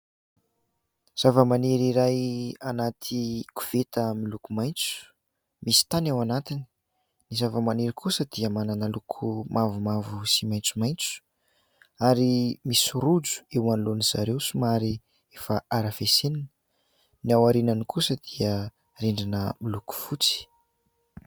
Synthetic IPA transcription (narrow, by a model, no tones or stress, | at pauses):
z̥avəmaneɾiɾajanat̪ʰiku̥v̥et̪əmilukumajnt͡su̥ | misi̥t̪anawanat̪ini̥ | nizavəmaneɾikʰusəd̪̥iəmananəlukʰumʔavumavusimajnt͡sumajnt͡su̥ | aɾimisuɾud͡zu̥ewanuloniz̥aɾewsumaɾi | efaaɾafesenanə | niawaɾinanikusəd̪̥iə | reɳɖ͡ʐinəmiluku̥fut͡si̥